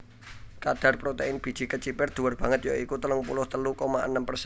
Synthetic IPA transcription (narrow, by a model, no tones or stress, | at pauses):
kad̥a̤rpɾot̪eɪnb̥i̤̥ʒ̥ikət͡ʃipɛrd̪̥uwərb̥ä̤ŋət̪̚joikut̪ələŋpulʊht̪əlukomaʔə̰nəmpərs